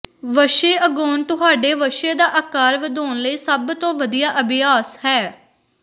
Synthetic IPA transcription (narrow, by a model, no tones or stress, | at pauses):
ʋəʃeːʔəɡoːnt̪ʊɦaːɖeːʋəʃeːd̪aːʔəkaːɾʋəd̪oːnləiːsəbt̪õːʋəd̪ijaːʔəbɪjaːshɛː